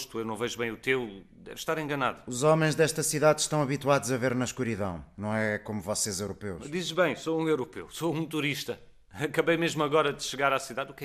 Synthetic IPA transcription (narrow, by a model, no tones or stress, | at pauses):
ʃt̪uewnɐ̃w̃vɛʒuβɐ̃j̃ut̪ew | d̪ɛ̰vʃt̪aɾẽŋɡɐnaðuuzɔmɐ̃j̃ʒd̪ɛʃt̪ɐsiðaðʃt̪ɐ̃w̃ɐβit̪waðuzɐveɾnɐʃkuɾiðɐ̰̃w̃nɐ̃w̃ɛkomuvɔsezewɾupewd̪izʒβɐ̃j̃soũewɾupḛwsoũt̪uɾiʃt̪ɐ | ɐkɐβɐjmeʒmuɐɣɔɾɐd̪ɨʃɨɣaɾasiðaðukɛ